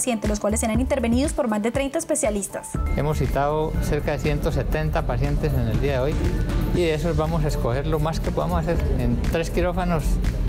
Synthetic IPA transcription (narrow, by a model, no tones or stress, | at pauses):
sje̞nt̪elos̬kwalesːe̞ɾanint̪eɾbeniðo̞spo̞ɾmazd̪e̞t̪ɾe̞jnt̪aespe̞sjalist̪ḁse̞mosːit̪aðose̞ɾkaðe̞sje̞nt̪o̞se̞t̪e̞nt̪apasje̞nt̪esene̞ld̪iaðeo̞jiðees̬ozβamo̞s̬aesko̞xe̞ɾlo̞maskepoðamosase̞ɾḛnt̪ɾeskiɾo̞fanos